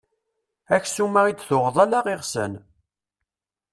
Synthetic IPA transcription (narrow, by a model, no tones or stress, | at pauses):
æçsumːæʁid̪θʊʁðˤælaʁiʁsə̰n